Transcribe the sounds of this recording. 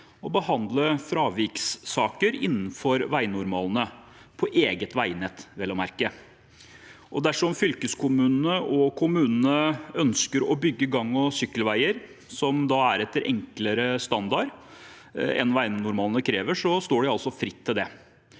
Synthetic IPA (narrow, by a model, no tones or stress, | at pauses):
ɔbəhɑnd̪ləfɾɑːʋiːksːɑːkəɾɪ̰nːn̩fɔɾʋæɪnʊɾmɑːlnə | pʰɔʔeːɡət̪ʋæɪnɛt̪ʋɛlɔmæɾkə | ʔɔd̪æʂɔmfʏlkəskʰʊmʉːnnəʔɔkʰʊmʉːnnəœnskəɾɔbʏɡːəɡɑŋːɔsʏkːəlʋæɪəɾ | sɔmd̪ɑæɾɛt̪ːəɾʔɛ̰ŋkləɾəst̪ɑnd̪ɑɾ | ɛ̰nʋæɪnʊɾmɑːlənəkʰɾeːʋəʂɔst̪oːɖɪɑlsɔfɾɪt̪ʰːɪld̪ɛ